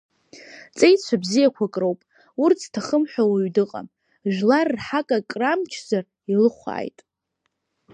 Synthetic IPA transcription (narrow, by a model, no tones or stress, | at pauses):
t͡sʼejt͡ɕʷʰabzijakʷʰakʼrowpʼ | urt͡sʰtʰaχəmħʷᶣawiɥdɨqʼa̰m | ʒᶣlarːħakʼakʼramt͡ʃʰzar | ilɨχʷa̰ːjtʼ